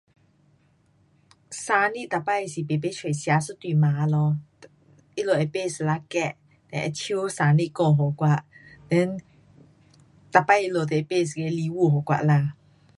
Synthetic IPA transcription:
sa˧ni˦˥ʔt̪a˨pa˦˥˨e˨si˨pe˨pe˦t͡ʃʰe˨sja˧su˦˥t̪wi˧˨ma˨˦lɔ˧ | ʔi˦lo˨ʔɛ˨pe˥˨sla˧kɛ˧˨ʔ | d̪ɛ˧˩ʔɛ̰˧˨tʰi˦sa˧ni˦˥ʔkɔ˧˨ɦɔ˨kwa˧˨ʔd̪ɛ̃˦˥n | t̪a˨pa˧˨i˧˥lo˨t̪ɛ˨e˨pe˥˨s̬ke˧li˧wu˥˧˨ɦɔ˨kwa̰˧˨ʔla˧˨

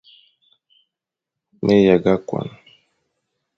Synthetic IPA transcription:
mʔe˦ja˨ɡa˦kwa̰˨n

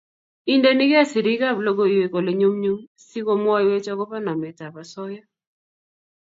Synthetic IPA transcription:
i˦nde˦ni˦kɛ˦˨si˨ɾi˦ka˦˨blo˦ɡo˦˨ije˨ko˨le˨ɲo˦mɲu˦m | si˦ko˦mwɔ˦jwe˦t͡ʃɔ˦kɔ˦pa˦na˨mɛ˨ta˨pa˨sɔ˦ja˦

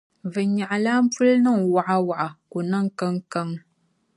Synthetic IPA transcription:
vɨ˨ɲa˨ʔa˨la˦m̩˦pu˦lnɨ˦˨ŋ˨wa˨ʔa˦wa˨ʔa˨ko˨na˦ŋ˦kə˦ŋkə˦ŋ

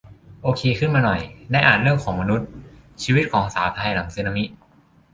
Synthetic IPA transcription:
ʔoː˧kʰeː˧kʰɯ˥˩nmaː˧nɔ˨˩jna˧˥ʔaː˨˩ɾɯ˥˩əŋkʰɔː˩˦ŋma˧nu˦˥t̪̚t͡ɕʰiː˧wi˦˥t̪̚kʰɔː˩˦ŋsaː˩˦wt̪ʰa˧jna˨˩˦msiː˧na˧mi˦˥t̪̚

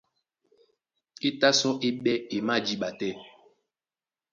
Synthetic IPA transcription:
e˦ta˦sɔ̃˦ʔe˦ɓɛ˦e˨ma˦˨d͡ʒi˦ɓa˨tɛ˦

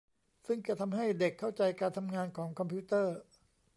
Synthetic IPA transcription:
sɯ˥˩ŋt͡ɕa˧˩t̪ʰa˧mɦa˥˩jde˨˩kʰːa˥˩wt͡ɕa˧jkaː˧nt̪ʰa˧mŋaː˧nkʰɔː˩˦ŋkʰɔ˧mpʰiː˦˥t̪ɤː˥˩

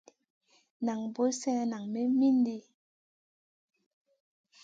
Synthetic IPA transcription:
na˨ŋbo˦sɛ˦na˨ŋme˦mi˦n˦di˦

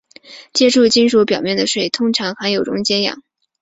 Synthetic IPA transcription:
t͡ɕjɛ˥ʈ͡ʂʰu˥˩t͡ɕi˥nʂu˧˥pjɑ˨˩mjɛ˥˩nd̪ə˩ʂwe˥˩ɪt̪ʰʊ˥ŋʈ͡ʂʰɑ˧˥ŋxa˧˥njo˨˩ʊʈ͡ʂʊ̰˧˥ŋt͡ɕjɛ˥njɑ̰˨˩˦

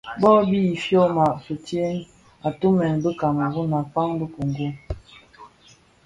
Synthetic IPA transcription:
bɔ˦bi˦i˨fjɔ˦ma˨ʔsu˨tjɛ˦ŋ | a˨tu˦mɛ˨nbə˦ka˨ŋ˨ɡu˦na˨pa˦ŋbə˦ku˨ŋ˨ɡu˦

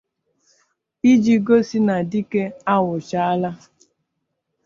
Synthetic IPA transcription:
i˦d͡ʒi˨ɡo˦si˦na˨di˦ke˦a˦wʊ˨t͡ʃa˦a˦la˦

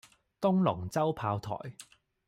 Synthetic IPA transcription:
t̪ʊ˥ŋlʊ˨˩ŋt͡sɐ˥wpʰaː˧wt̪ʰɔ̰ː˨˩j

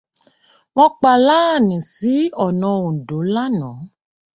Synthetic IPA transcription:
w̃ɔ̃˧k͡pa˧la˦a˦˨nĩ˨si˨˦ɔ˦˨nɔ̃˧õ˨n̩˨do˨˦la˦nɔ̃˨˦

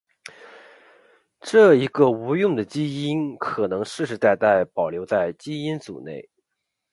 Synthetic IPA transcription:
ʈ͡ʂɤ˥˩i˧˥ɡə˧u˧˥jʊ˥˩ŋd̪ə˩t͡ɕi˥i˥nkʰɤ˨˩nɤ˧˥ŋʂɻ̩˥˩ʂɻ̩˧˥t̪a˥˧ɪt̪a˥˩ɪpɑ˨˩ʊljo˧˥ʊt͡sa˥˩ɪt͡ɕi˥i˥nt͡sṵ˨˩nḛ˥˩ɪ

